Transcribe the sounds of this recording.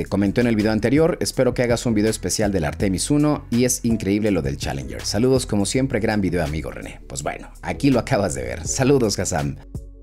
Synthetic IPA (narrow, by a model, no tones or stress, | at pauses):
ko̞mẽnt̪o̞enelβiðeoant̪e̞ɾjo̞ɾe̞spe̞ɾo̞keaɣasumbiðeoespe̞sjald̪e̞la̰ɾt̪e̞misuno̞ie̞siŋkɾe̞iβle̞lo̞ðe̞̰lt͡ʃa̰lḛnd͡ʒḛɾsaluðo̞sko̞mo̞sje̞mpɾe̞ɣɾambiðeoamḭɣo̞̰rḛne̞̰pwe̞zβwe̞̰noa̰kiloakaβazðeβ̞ḛɾsaluðo̞sɣasa̰m